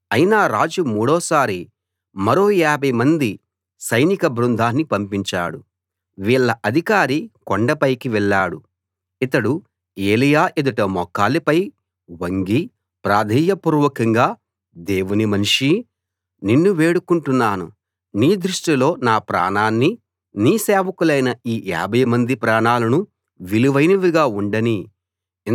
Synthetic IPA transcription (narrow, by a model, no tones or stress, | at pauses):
ɐjinaːɾaːd͡ʒumuːɽɔːsaːɾi | mɐɾo̞ːjaːbʱɐjmɐnd̪i | sɐjnikɐbɾund̪ʱaːnːipɐmpiɲt͡ʃa̰ːɽṵ | ʋiːɭːɐʔɐd̪ʱikaːɾikɔɳɖɐpɐjkiʋɛɭːaːɽu | it̪ɐɽu | eːlijaːʔid̪ɐʈɐmɔkːaːlipɐj | ʋɐŋɡi | pɾaːd̪ʱiːjɐpuːɾuʋɐkɐŋɡaː | d̪eːwunimɐnuʂi | ninːuʋe̞ːɽukuɳʈunːaːnṵ | niːd̪ɾuʂʈilo̞ːnaːpɾa̰ːɳaːnːi | niːseːʋɐkulɐjnɐiːʔa̰ːbʱɐjɐmɐnd̪ipɾaːɳaːlɐnu | ʋiluʋɐjnɐʋiɡaːuɳɖɐni